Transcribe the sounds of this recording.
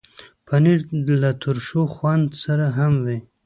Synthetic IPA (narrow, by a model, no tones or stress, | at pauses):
pʰaniɾlat̪ʰʊɾʃoxwand̪saɾaɦamwi